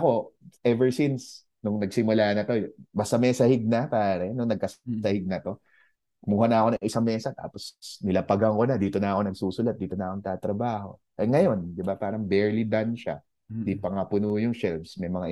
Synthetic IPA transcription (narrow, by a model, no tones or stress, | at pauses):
ɐko̞ʔɛvɛɹsins | nʊŋnɐɡ̚sɪmʊlaːnɐt̪o̞bɐst̪ɐmɛːsɐhɪɡ̚nɐpaːɾɛnʊŋnɐɡ̚kɐssɐhɪɡ̚nɐt̪o̞ | muːhɐnɐɐko̞nɐŋʔɪsaŋmɛːsɐt̪a̰ːposnɪlɐpɐɡɐŋkonɐd̪iːt̪o̞nɐʔɐko̞nɐɡsuːsʊlɐt̪̚d̪iːt̪onɐʔɐkoŋt̪at̪ɾɐbaːho̞̰ | ʔɐŋɐjo̞nd̪ɪbapaːɾɐŋbɛɹlid̪anʃa̰ | d̪ipɐŋapʊnujʊŋʃɛlvsmɐjmɐŋa